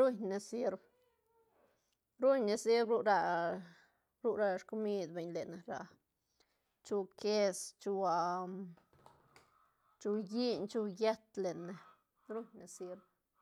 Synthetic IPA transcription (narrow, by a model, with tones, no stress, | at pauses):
ɾu˦ɲne˧si˧ɾb | ɾu˦ɲne˧si˦ɾɾu˦ɾa˧ | ɾu˦ɾa˧ʃku˦mi˦d̪be˨ɲle˨ne˨ɾa̰˨ | t͡ʃu˧ke˦st͡ʃu˧a˧ | t͡ʃu˧ji˦ɲt͡ʃu˧je˦t̪le˨ne˨ | ɾu˦ɲne˧si˧ɾb